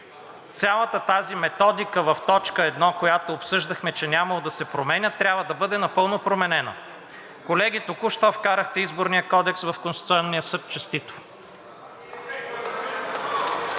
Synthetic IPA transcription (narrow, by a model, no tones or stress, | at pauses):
t̪sʲalˠət̪ət̪azimɛt̪ɔd̪ikəvɐft̪ɔt͡ʃkəɛd̪nɔkojat̪oːpsɤʒd̪ɐxmɛt͡ʃɛnʲamɐlˠod̪ɐsɛpɾomɛnʲət̪ːɾʲabvəd̪ɐbɤd̪ɛnɐpɤlˠnopɾomɛnɛnɐ̰ | kolɛɡ̟it̪okuʃt̪ɔfkaɾəxt̪ɛizboɾnijəkɔd̪ɛksvɐfkonst̪it̪ɔnːijəsɤt̪̚t͡ʃɐst̪it̪vʊ